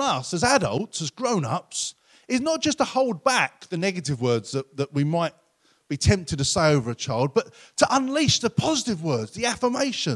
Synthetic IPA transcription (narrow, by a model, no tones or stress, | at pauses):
nʌsəzæɾʌ̰lˠtsəzɡɹõʊ̃nʌ̰ps | ɪznət̚d̥ʒ̥ʌstʰəhoʊlˠd̚bæk̚ðɨnɛɡɨɾɨvwɜː˞dz̥ðəʔðəʔwimaɪt̚ | b̥itʰɛ̃mp̚tɨd̚tʰəseɪoʊvə˞ɨt͡ʃʰaɪlˠd̚bʌttʰəʔə̃nliˑsðəpʰɑzɪtɨvwɜ˞dzðiæfə˞meɪʃə̃